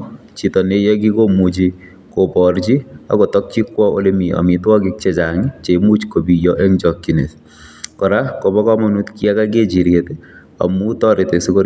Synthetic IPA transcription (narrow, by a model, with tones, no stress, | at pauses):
t͡ʃitɔ˨ne˦jɔ˦k̬i˦komu˨t͡ʃi | ko˨pɔrt͡ʃi˦a̰ko˨tɔ˦k̚t͡ʃi˦kwɔo̰˦lemi˨ɔ̰˨mi˨twɔ˦kik̚t͡ʃet͡ʃaŋit͡ʃe˨mu˦t͡ʃkobi˨jɔʔe˦ŋt͡ʃɔkːi˨nḛ˨s | kɔ˨ɾako˨bɔ˦kɔ˦mɔnu˦tki˦a˦ka˦k̬e˦t͡ʃi˨ɾjete | a̰˨muː˦tɔɾɪ˨te˨siko˦